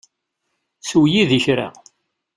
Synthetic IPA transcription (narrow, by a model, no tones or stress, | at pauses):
swjiðiçɾa̰